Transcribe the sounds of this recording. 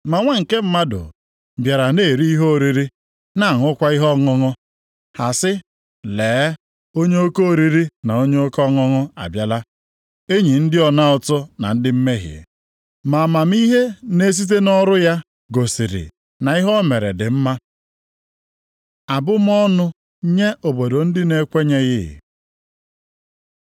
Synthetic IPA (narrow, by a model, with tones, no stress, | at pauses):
ma˨ŋʷa˦ŋ̩˨ke˦m̩˦ma˦dʊ̰˨ | bja˨ɾa˨ne˦˨ɾi˦i˦ɦo˦˨ɾi˦ɾi˦ | na˦˨ŋ˨ʊ˦kʷa˦i˦ɦɔ˦ŋɔ˦ŋɔ˦ | ha˨sɪ˦ | leː˨˦ | o˦ɲe˦o˦ko˦o˨ɾi˦ɾi˦na˨o˦ɲe˦o˦kɔ˦ŋɔ˦ŋɔ˦a̰˨bja˦la˦ | e˦ɲi˨n̩˦dɪ˦ɔ˨na˦ɔ˨tʊ˦na̰˨n̩˦dɪ˦m̩˦me˦ɦjḭ˨ | ma˨ma˨m̩˦i˦ɦe˦ne˦s̬i˦t̬e˦nɔ˦ɾʊ˦ja˦ | ɡo˨si˨ɾɪ̰˨ | na˨i˦ɦɔ˦me˨ɾḛ˨dɪ˨m̩˦ma˦ | a˨bʊ˦m˦ɔ˦nʊ˦ | ɲe˦ʔo˨bo˨do˨n̩˦dɪ˦ne˦kʷe˦ɲe˦ɣɪ̰˦˨